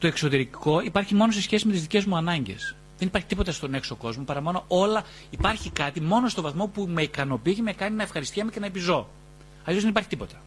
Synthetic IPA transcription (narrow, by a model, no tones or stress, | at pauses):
t̪o̞e̞kso̞t̪e̞ɾiko̞ipɐɾçimo̞nose̞sçe̞sime̞t̪izðice̞zmuɐnɐɲɟe̞̰s | ðe̞nipɐɾçit̪ipo̞t̪ɐst̪o̞ne̞kso̞ko̞zmopɐɾɐmɐno̞ʔo̞lɐ | ipɐɾçikɐt̪imo̞no̞st̪o̞vɐθmo̞pume̞ikɐno̞pieçemekɐninɐefxɐɾist̪cemece̞nɐepizo̞ | ɐlisozðenipɐɾçit̪ipo̞t̪ɐ̥